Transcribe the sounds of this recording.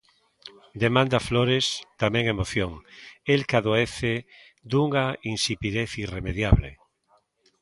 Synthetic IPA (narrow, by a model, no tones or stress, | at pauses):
d̪emãnd̪afloɾest̪amẽŋemoθjoŋelkaðoeθe | d̪uŋainsipiðeθiremeðjaβlḛ